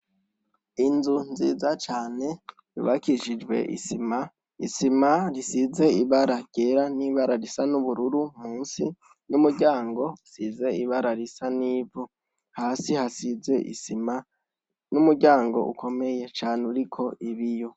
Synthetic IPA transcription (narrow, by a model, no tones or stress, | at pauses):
inzunzḭːzat͡ʃaːne̞ | jṵβakiʃid͡ʒwe̞̰ʔḭsima | isimaɾisize̞iβaɾaɡɟ̥eɾaniβaɾaɾisanuβuɾuɾumuːnsi | numuɟaːŋɡo̞usize̞iβaɾaɾisaniːvu | haːsihasize̞ʔḭsima | numuɾɟaːŋɡo̞̰ʔṵkʰo̞me̞je̞t͡ʃaːneuɾikʰo̞iβijo̞